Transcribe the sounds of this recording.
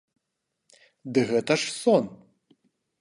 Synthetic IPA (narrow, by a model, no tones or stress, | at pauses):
d̪ɨɣɛt̪ɐʂsɔn